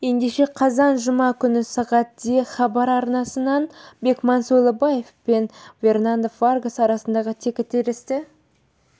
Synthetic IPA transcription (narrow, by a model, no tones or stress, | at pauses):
je̞nd̪e̞ʃe̞qʰɑzɑnʒʊmɑkʲʰʏnɪsɑʁɑt̪̚d̪e̞χɑbɑɾɑɾnɑsənɑnbe̞kmɑnsolˠəbɑje̞fpe̞nvʲe̞rnand̪əfarɡəsɑɾɑsənd̪ɑʁət̪ʰekʲɪt̪ʰːeɾɪst̪ɪ